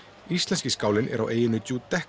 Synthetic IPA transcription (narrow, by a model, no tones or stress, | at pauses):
ist̪lɛnsciskaːwlɪnʔɛ̰ɾawʔeːjɪnɪt̪ut̪ɛh